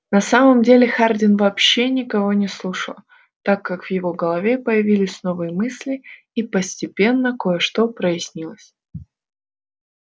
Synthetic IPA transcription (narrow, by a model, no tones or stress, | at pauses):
nɐsaməmdʲelʲɪxardʲɪnvɐːpɕːenʲɪkɐvo̞nʲɪslˠuʂəlˠ | t̪akːakv̥jɪvo̞ɡəlˠɐvʲe̞pəjɪvʲilʲɪsʲno̞vɨjəmɨsʲlʲɪ | ipəsʲtʲɪpʲe̞nːəko̞jəʂt̪o̞pɾəjɪsʲnʲilˠəsʲ